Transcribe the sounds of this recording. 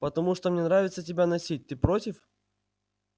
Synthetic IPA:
pət̪ɐmuʂt̪omnʲenɾavʲɪt̪sətʲɪbʲanɐsʲit̚ʲt̪ɨpɾotʲɪf

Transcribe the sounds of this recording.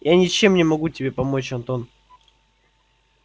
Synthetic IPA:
janʲɪt͡ɕe̞mnʲɪmɐɡutʲɪbʲe̞pɐmo̞t͡ɕɐnt̪o̞n

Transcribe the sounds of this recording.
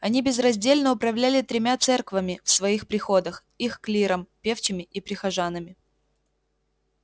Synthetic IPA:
ɐnʲibʲɪzrɐzʲdʲelʲnəʊpɾɐvlʲælʲɪt̪ɾʲɪmʲat̪sɛrkvəmʲɪfsvɐixpɾʲɪxo̞d̪əx | ixklʲiɾəmpʲeft͡ɕɪmʲɪʔipɾʲɪxɐʐanːɨmʲɪ

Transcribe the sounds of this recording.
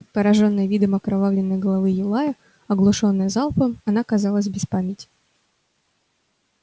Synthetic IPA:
pəɾɐʐo̞nːəjəvʲid̪əmɐkɾɐvavlʲɪnːəjɡəlˠɐvɨjɪlˠajə | ɐɡlˠʊʂonːəjəzɑlˠpəmɐnakɐzɑlˠəsʲbʲɪspamʲɪtʲɪ̥

